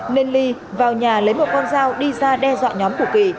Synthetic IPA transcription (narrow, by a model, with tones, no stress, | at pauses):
ne˧nli˧ | vaː˨˩wɲaː˨˩lə˨˦jmo˨˩t̚kɔ˧nzaː˧wɗi˧zaː˧ɗɛ˧zwa̰ː˧˨ɲɔ˨˦mku˧˩ki˨˩